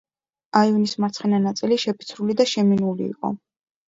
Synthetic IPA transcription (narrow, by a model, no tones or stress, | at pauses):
aiunismaɾt̪sʰχɛnanat̪sʼiliʃɛpʰi̥t̪sʰɾulid̪aʃɛminulḭːqʼɔ̰